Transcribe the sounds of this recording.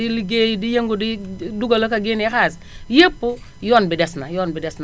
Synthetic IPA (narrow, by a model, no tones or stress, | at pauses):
iliɡeːjdijeŋɡudiduɡalokaɡinikaːs̬ | jepːu | joːnbidɛsnajoːnbidɛsn